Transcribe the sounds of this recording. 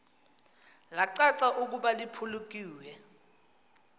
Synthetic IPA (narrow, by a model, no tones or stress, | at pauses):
laǀaǀaʔuk̬uɓalipʰuluk̬ʼiːwɛ